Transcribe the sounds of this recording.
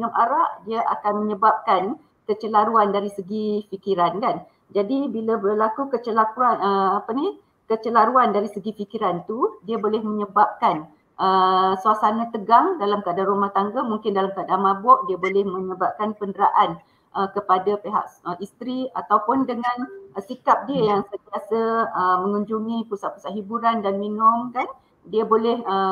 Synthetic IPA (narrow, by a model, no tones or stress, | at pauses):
ŋamʔaɾaʔdiaʔa̰kanməɲəbap̚kan | kət͡ʃəlaɾuandaɾisəɡifikiɾankan | d͡ʒadibilabərlakukət͡ʃəlakuanəapani | kət͡ʃəlaɾuandaɾisəɡifikiɾant̪udiabolɛhmə̃ɲəbap̚kan | ʔəsuasanat̪əɡaŋdalamkadarumaht̪aŋɡamuŋkɪndalamkadamãbɔʔ̚diəbolɛhmə̃ɲəbap̚kanpəndəɾaʔan | ʔəkəpadapeɦa̰ʔəʔist̪ɾia̰t̪awpʊndəŋãnsikap̚diəjaŋsət̪iasəəmə̃ŋuɲd͡ʒuŋĩpusaʔpu̥saʔɦibuɾandanminʊmkan | diəbolɛhə